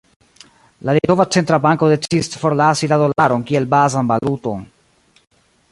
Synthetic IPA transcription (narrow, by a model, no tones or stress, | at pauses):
lalito̞vat͡se̞ntɾabaŋko̞de̞t͡sisfo̞ɾlasilado̞laɾo̞nkie̞lbazanbaluto̞n